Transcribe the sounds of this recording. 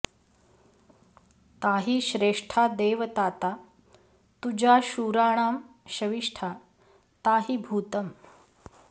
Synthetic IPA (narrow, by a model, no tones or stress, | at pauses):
t̪aɦiːɕɾeʂʈʰad̪eːʋət̪aːt̪a | t̪ud͡ʑaɕuːɾaːɽ̃aːm | ɕɐʋiʂʈʰa | t̪aɦiːbʱuːt̪əm